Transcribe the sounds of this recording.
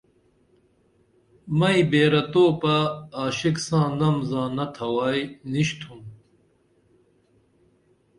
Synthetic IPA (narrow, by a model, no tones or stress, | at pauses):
mɐibeːɾɐt̪oːpɐːɕiksãːnɐmzãːnɐt̪ʰɐwaːjniɕt̪ʰum